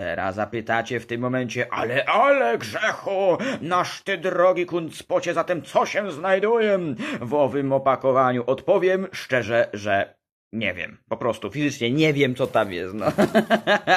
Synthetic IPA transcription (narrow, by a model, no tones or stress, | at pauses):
t̪ɛ̰ɾa̰sːapɘt̪at͡ɕɛft̪ɘmːɔmɛɲt͡ɕɛʔa̰lɛʔalɛɡʐɛxunaʂt̪ɛd̪ɾɔɡʲikunt̪spɔt͡ɕɛzat̪ɛmt̪sɔɕɛznajd̪ujɛvɔvɘmɔpakɔvaɲuʔɔt̪pɔvʲjɛmʂt͡ʂɛʐɛʐɛ | ɲɛ̰vʲjɛ̰mpɔpɾɔst̪ufʲizɘt͡ʂɲɛɲɛvʲjɛmt̪sɔt̪amjɛ̰st̪nɔ